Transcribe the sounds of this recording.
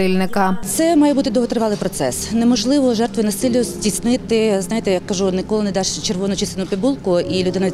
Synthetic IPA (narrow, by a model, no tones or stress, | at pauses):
ɪlʲnɪkɐt̪sɛmɑjɛbut̪ɪd̪ɔɦɔt̪ɾɪʋɑlˠɪjpɾɔt̪sɛsnemɔʒlˠɪʋɔʒɛrt̪ʋɪjnɐsɪlʲjʊzʲdʲisnɪt̪ɪznɑjet̪ɛjakːɐʒunɪkɔlˠɪned̪ɑʃt͡ʃerʋɔnɔt͡ʃist̪enʊpʲibulˠkʊʔilʲʊd̪ɪnɐ